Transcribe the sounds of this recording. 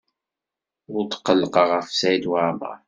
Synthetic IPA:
ʊɾt̪qːəlːəqəʁəfsæjd̪waʕmə̰

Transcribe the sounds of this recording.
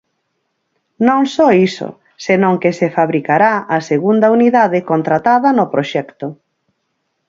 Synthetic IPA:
nõŋsɔiso̰ | senõŋkesefaβɾikaɾaaseɣund̪ɐuniðaðɪkont̪ɾat̪aðɐnopɾoʃɛkt̪ʊ

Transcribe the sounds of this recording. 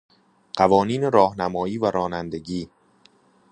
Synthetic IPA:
ɢ̥ævɒːniːneɾɒːhnæmɒːiːvæɾɒːnænd̪e̞ɟiː

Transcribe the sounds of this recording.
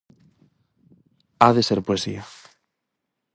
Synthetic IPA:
aðeseɾpoesḭa

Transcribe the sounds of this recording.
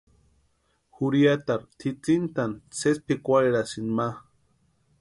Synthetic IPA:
xuɾiat̪aɾt̪ʰit͡sint̪ant͡sespikʷaɾeɾasinma

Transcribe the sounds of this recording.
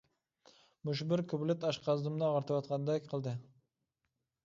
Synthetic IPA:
mʊʃ̬bɪɾkʰʊblɪt̪aʃqʰɑzd̪ʊmnɪɒʁɑɾt̪ʰɪbɒt̪̚qʰɑnd̪akʲqʰɨlˠd̪ɪ

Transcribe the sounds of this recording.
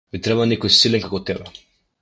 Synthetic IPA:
mit̪ɾɛbanɛkɔjsilɛnkakot̪ɛbɛ

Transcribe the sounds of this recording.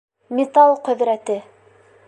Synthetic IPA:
mʲet̪ɑlˠqɵ̆ðɾæt̪ɘ

